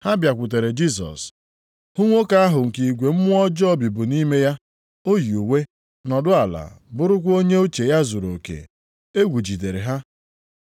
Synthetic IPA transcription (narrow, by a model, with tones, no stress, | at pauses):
ha˦bja˨kʷʊ˨t̬e˨ɾe˨d͡ʒi˦s̬ɔ̰˨s | hʊ˦ŋʷo˦ka˦a˦ɦʊ˨ŋ̩˨ki˨ɡʷe˨m̩˦mʊ˦ɔ˦d͡ʒɔ˦bi˨bʊ˨ni˦me˦ja˦ | o˦ju˨we˦ | nɔ˨dʊ˦a˨la̰˨bʊ˦ɾʊ˦kʷo˦ɲe˦o˦t͡ʃe˨ja˦zu˨ɾo˨kḛ˨ | e˦ɡʷu˨d͡ʒi˨de˨ɾe˨ɦa˦